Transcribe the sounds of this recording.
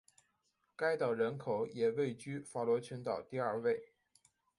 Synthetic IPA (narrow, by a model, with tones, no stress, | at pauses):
ka˥ɪt̪ɑ˨˩ʊɻə˧˥nkʰo˨˩˦ʊjɛ˨˩we˥˩ɪt͡ɕy˥fa˧˥lwɔ˧˥t͡ɕʰɛ˧˥nt̪ɑ˨˩ʊt̪i˥˧ɐ˞˥˧we˥˩ɪ